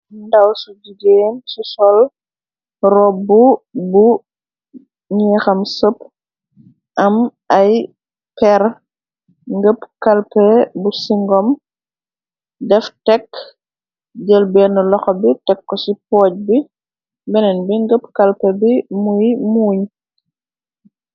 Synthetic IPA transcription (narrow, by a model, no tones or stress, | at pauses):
ndɐwsuɟiɡeːnsusɔl | rɔbubu | ɲɛːxɐmsəp | ʔɐm | ɐj | pɛr | ŋɡəpkɐlpɛbusiŋɡɔm | dɛftɛkː | ɟəlbɛːnəlɔxɔbitɛkːɔsipɔːc̚bi | bɛnɛnbiŋɡəpkɐlpɛbimujmuːɲ